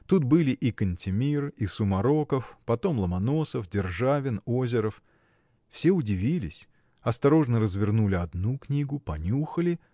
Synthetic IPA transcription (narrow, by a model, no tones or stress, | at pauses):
t̪ut̪̚bɨlʲɪʔikənʲtʲɪmʲirisʊmɐɾo̞kəfpɐt̪o̞mlˠəmɐno̞səfdʲɪrʐavʲɪno̞zʲɪɾəf | fsʲe̞ʊdʲɪvʲilʲɪsʲ | ɐst̪ɐɾo̞ʐnəɾəzvʲɪrnulʲɪɐd̪nuknʲiɡʊpɐnʲuxəlʲɪ